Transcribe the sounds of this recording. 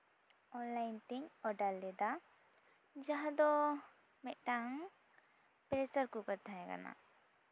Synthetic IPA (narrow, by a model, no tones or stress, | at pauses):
ɔnlajnt̪iɲɔɖalːɛd̪a | d͡ʒaɦd̪ɔ | mɛʔ̚ˀʈaŋ | pɾɛsəɾkukəɾt̪ʰaɦɛ̃ɡa̰na̰